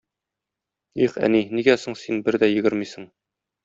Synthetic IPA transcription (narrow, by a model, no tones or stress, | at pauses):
iχæ̰niniɡæsoɴsinbɘɾd̪æjɘ̆ɡɘɾmisɤ̆ɴ